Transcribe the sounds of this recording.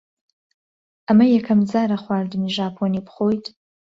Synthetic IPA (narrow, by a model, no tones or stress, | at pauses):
amajakʰamd͡zaɾaχʷardɨniʒapʰonipχojtʼ